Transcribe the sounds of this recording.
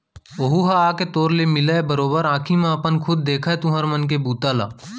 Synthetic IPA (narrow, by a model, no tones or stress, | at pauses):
oɦuɦaaːket̪oːɾlemɪlaebəɾoːbəɾãːkʰimãɐpənkʰʊd̪̚ːeːkʰaet̪ũɦəɾmənk̬ebuːt̪aːla̰ː